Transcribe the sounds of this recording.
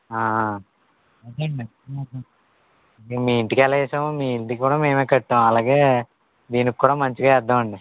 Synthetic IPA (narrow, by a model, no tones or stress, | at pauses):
aː | ɐd̪ɳɖi | eːmiːiɳʈikɛlɐɛːsɐmmiːiɳʈikkːuːɽaːmeːmeːkɐʈːaːw̃ɐlaːɡe̞ː | d̪iːnikkːuːɽaːmɐɲt͡ʃiɡaːɛd̪ːɐmɐɳɖi